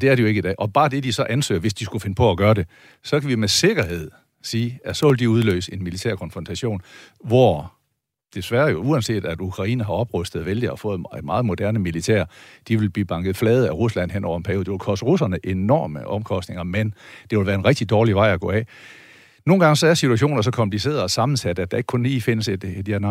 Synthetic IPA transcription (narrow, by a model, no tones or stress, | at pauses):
d̥e̝æɐɾe̝jo̝e̝ɡ̥idɛ̰ːʔɒ̽b̥ɑ̈ːd̥e̝d̥isɒ̽ʔænsø̰ːɐʋe̝sd̥isɡ̥ufe̝nəpʰɒ̽æɡ̥ɶːɐde̝ | sɒ̽kʰæʋimese̝ɡ̥ɐɦe̝ð̞̰ˠ | siːæsɒ̽ʋe̝ld̥iuð̞ˠlø̰ːse̝nmilit͡sʰeɐkʰɒ̽nfʁɒ̽nt͡sʰæɕo̝̰ːnʋɒ | d̥e̝sʋæːɐjo̝uænse̝̰ːd̥æd̥ukʰʁɑ̈ḭːnɐɦɑ̈ɒ̽b̥ʁœsd̥ð̞̩ˠʋeld̥iɒfɔ̽ːð̩ˠmɑ̈ːð̩ˠmo̝d̥æɐnəmilit͡sʰḛɐd̥iʋe̝lb̥ib̥ɑ̈ŋɡ̥ð̩ˠflɛːð̞̩ˠæʁuslæn̰ɦen̰ʔɒ̰ʊɐenpʰæɐjo̝̥ːeʋelkʰɒ̽səʁusɐnəʔe̝nɒ̰ːməʔɒ̽mkʰɒ̽sd̥ne̝ŋɐmend̥e̝ʋelʋæːɐe̝nʁɛɡ̥̚d̥id̥ɒːliʋɑ̈ɪ̰ɒɡ̥ɔ̰̽ːɛ | no̝ːn̩ɡ̥ɑ̈ŋəsɒ̽æɐsit͡sʰuæɕ̬o̝̰ːnɐs̬ɒ̽kʰɒ̽mpʰlis̬e̝̰ːɐðˠɒ̽sɑ̈mn̩sæd̥əæd̥æ̈eɡ̥kʰɔ̽nliːfe̝nəsed̥e̥jeɐnɑ